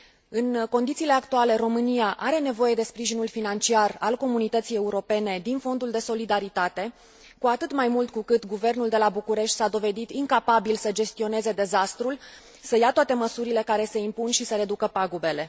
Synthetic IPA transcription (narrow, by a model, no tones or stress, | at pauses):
ɨnko̞nd̪it̪siːle̞akt̪uale̞ro̞mɨniaʔaɾe̞ne̞vo̞je̞d̪e̞spɾiʒinulfinant͡ʃiaralko̞munit̪ət̪sije̞uɾo̞pe̞ne̞d̪info̞nd̪uld̪e̞so̞lid̪aɾit̪at̪e̞ | kuat̪ɨt̪majmult̪kukɨt̪ɡuve̞rnuld̪e̞labukuɾe̞ʃt̪ʲsad̪o̞ve̞d̪it̪iŋkapabilsəd͡ʒe̞st̪io̞ne̞ze̞d̪e̞zast̪ɾul | səjat̪oat̪e̞məsuɾile̞kaɾe̞se̞impunʃisəɾe̞d̪ukəpaɡube̞le̞